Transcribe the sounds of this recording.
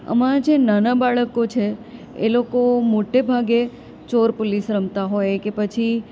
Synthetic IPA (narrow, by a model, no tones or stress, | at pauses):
ə̰mãd͡ʒenanabaɭəkot͡ʃʰe | ḛlokomoʈebʱaɡe | t͡ʃoɾpolisɾəmt̪aɦojkepət͡ʃʰi